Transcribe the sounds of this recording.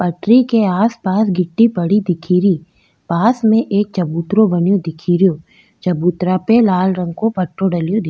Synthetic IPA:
pɐʈɾikeaːspaːsɡʱɪʈːipɐɽid̪ɪkʰiːɾi | paːsmẽʔeːk̚t͡ʃɐbuːt̪ɾõbɐnjod̪ɪkʰiːɾijoː | t͡ʃɐbuːt̪ɾapelaːlɾə̃ŋɡkopɐʈʰːoɖɐlijod̪ɪ

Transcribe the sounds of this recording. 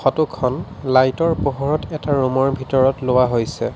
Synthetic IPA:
xɔtukʰːɔnlajtɔɹpɔɦɔɹɔtɛtaɹumɔɹbʱitɔɹɔtlowaɦojsɛ

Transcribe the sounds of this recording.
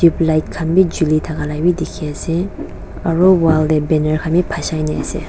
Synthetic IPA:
d̥iplajt̪̚kʰambid͡ʑulit̪ʰakalawid̪ikʰɛse | aɹowald̪ebenaɹkʰamipʰaɕajnɛsḛ

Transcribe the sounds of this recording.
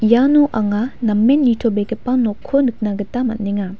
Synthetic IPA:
janoʔaŋanɐmːenːitʰobekepanɔkʰːonɯk̚naɡɐtamɐ̰tniŋa

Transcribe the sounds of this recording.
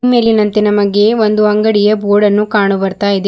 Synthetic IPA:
meːlinɐnt̪enɐmɐɡe̞ʋond̪uɐŋɡɐɽijɐboːɽɐnːukaːɳubɐɾt̪aːjid̪e

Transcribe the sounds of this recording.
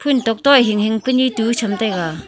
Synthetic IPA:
pʰuntɔk̚tɔɦiŋɦiŋpənitut͡ʃʰamtajɡa

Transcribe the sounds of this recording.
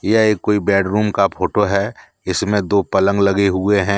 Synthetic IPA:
jaeːkːoːibɛːɖɾuːmkapʰoːʈoɦɛː | ɪsmẽd̪oːpɐlə̃ŋɡlɐɡeɦʊeɦɛ̃ː

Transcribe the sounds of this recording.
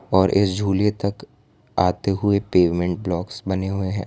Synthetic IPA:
ɔːɾʔɪ̰sd͡ʒʱuːlet̪ɐk | aːt̪eɦʊepeːʋmɛ̃ɳʈ̚blɔːksbɐneɦʊeɦɛ̰̃ː

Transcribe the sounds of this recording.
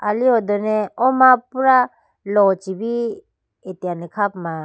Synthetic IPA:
aliɔd̪ɔneɔmapuɾa | lɔt͡ʃibi | etianikʰap̚ma

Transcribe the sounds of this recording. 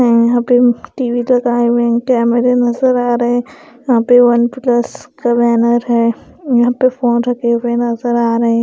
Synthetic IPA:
ɦɛ̃jɐɦãpeʈiːʋilɐɡaːewẽkɛːmeɾenɐzəɾaːɾɐɦẽ | jɐɦãpeʋɐnpləskabɛːnəɾɦɛː | jɐɦãpefoːnɾɐkewenɐzəɾaːɾɐɦẽ

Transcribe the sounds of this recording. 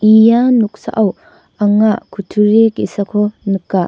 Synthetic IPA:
ijanuk̚sa̰ʔaw | aŋakʰutʰuɾekisakʰɔnɯkːa

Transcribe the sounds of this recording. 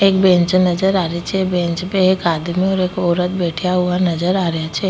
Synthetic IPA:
eːk̚bɛ̃ːɲt͡ʃnɐd͡ʒəɾaːɾet͡ʃʰɛbẽːɲt͡ʃpeekaːd̪mẽɔːɾeːkɔːɾət̪̚beːʈʰijaɦʊanɐd͡ʒəɾaːɾɐjat͡ʃʰɛː

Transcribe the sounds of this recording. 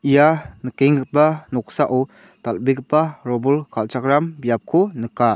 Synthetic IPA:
ʔijanəkeŋɡɯt̚panɔksaʔɔ | t̪albiɡɯt̚paɾɔbɔlkʰalt͡ʃakɾambijap̚kʰɔnəka

